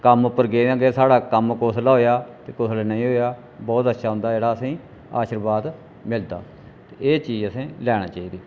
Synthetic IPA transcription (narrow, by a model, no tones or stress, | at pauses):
kəmʊpːəɾɡeːãːɡeːsaːɽaːkəmkoːslaːɦoːjaːt̪eːkoːslanəĩːɦoːjaː | bɔːt̪ət̪ːʃʰaːɦʊ̃nd̪aːd͡ʒeːɽaːəsĩː | a̰ːʃəɾʋaːd̪ | mɪld̪a̰ː | t̪eːeːt͡ʃiːd͡ʒəsẽːlɛːɽaːt͡ʃaːiːd̪iː